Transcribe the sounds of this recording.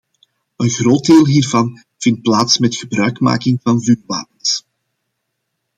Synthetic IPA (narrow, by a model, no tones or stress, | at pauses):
ənɣroːt̚deːlˠɦiːrvɑn | v̥ɪnt̚plaːtsmɛtxəbrœɥkma̰ːkɪŋvɑnvyːrʋa̰ːpəns